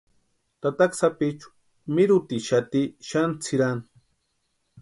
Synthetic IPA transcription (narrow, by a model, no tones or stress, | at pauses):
t̪at̪aksapit͡ʃu̥ | mɪɾʊt̪iʃat̪iʃant͡sʰiɾan